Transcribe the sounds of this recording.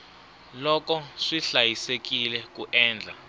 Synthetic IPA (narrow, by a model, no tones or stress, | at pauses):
lɔkɔʂiɬajisek̬ilɛkuʔɛːnd͡ɮʱa